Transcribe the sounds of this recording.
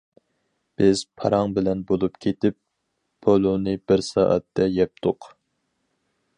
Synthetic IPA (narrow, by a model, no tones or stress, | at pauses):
b̥ɪz̥pʰɑ̰ɾɑŋbɪlɛnbolˠupkʲʰet̪ɪp̚ːʰ | olˠonɨbɪɾsɑːʔɑ̰t̪ʰːɛjɛp̚t̪ʰʊq